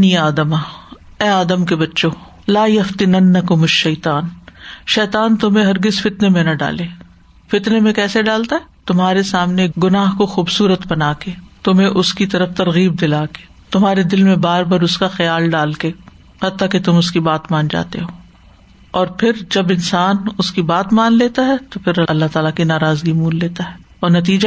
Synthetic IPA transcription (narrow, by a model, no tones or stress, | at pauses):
niaːd̪əmaː | ɛːaːd̪əmkebɐtːʃoː | laːjɐft̪ɪnɐnːɐkʊmɐʃːɐːt̪aːnʃɛːt̪aːnt̪ʊmɦẽɦɐɾɡɪzfɪt̪nemẽnɐɖa̰ːleː | fɪt̪nemẽkɛːseɖaːlt̪aɦɛːt̪ʊmɦaːɾesaːmneɡʊnaːɦkoxuːbsuːɾət̪bɐnaːkeːt̪ʊmɦẽʔʊskit̪ɐɾəft̪ɐɾɣiːb̚d̪ɪlaːke̥ː | t̪ʊmɦaːɾed̪ɪlmẽbaːɾbɐɾʊskaxɐjaːlɖaːlkeː | hɐt̪ːaket̪ʊmʊskibaːt̪mãːnd͡ʒa̰ːt̪ḛɦoː | ɔːɾpʰɪɾd͡ʒɐbɪnsaːnʊskibaːt̪maːnleːt̪aɦɛt̪opʰɪɾɐɐlːaɦt̪aːlakinaːɾaːzɡimuːlːeːt̪aɦɛː | ɔːɾnɐt̪̬iːd͡ʒa